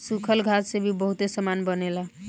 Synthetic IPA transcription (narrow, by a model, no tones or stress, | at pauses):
sukʰəlɡʱat̪sebʱibəɦut̪esəmanbənela